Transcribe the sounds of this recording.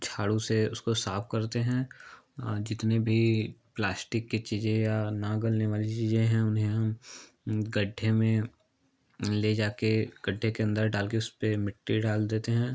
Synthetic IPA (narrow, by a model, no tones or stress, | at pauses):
t͡ʃʰaːɽuseʊskosaːpʰkɐɾt̪eɦɛ̃ː | d͡ʒɪt̪nebʱiplaːsʈɪkːet͡ʃiːzẽjanaɡəlneʋaːlit͡ʃiːzẽɦɛ̃ʊnɦẽɦɐm | ɡɐɖʱːẽmẽ | led͡ʒaːkeɡ̥əɖʱːekeɐ̃nd̪əɾɖaːlkeʊspemɪʈːiɖaːld̪eːt̪eɦɛ̃ː